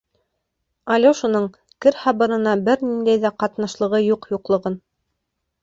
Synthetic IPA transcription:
ɑlʲoʃunɤɴ | kɘɾhɑβɤ̆ɾɤ̆nɑbɘɾnind̪æjðæqɑt̪nɑʃlˠɤ̆ʁɤjuqjuqlˠɤ̆ʁɤn

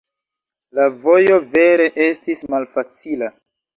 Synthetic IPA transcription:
lavo̞jo̞ve̞ɾe̞ʔe̞stismalfat͡sila

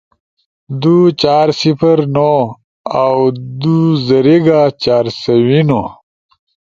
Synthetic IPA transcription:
d̪ut͡ɕaːɾsipʰɐɾno | awd̪uzɐɾeɡaːt͡ɕaːɾsɐwino

